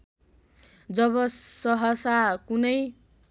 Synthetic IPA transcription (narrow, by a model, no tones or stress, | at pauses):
d͡zʌβʌsʌɦʌsakunʌj